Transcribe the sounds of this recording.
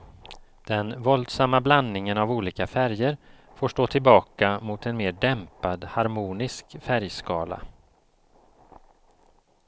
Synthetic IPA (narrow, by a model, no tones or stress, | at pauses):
d̪̥ɛnvɔld̪samːabland̪nɪŋənavuːliːkafæɾjəɾ | foːʂʈoːt̪ʰɪlbɑːkamʊt̪ɛnmeːɖɛmpad̪haɾmuːnɪskfæɾjskɑːla̰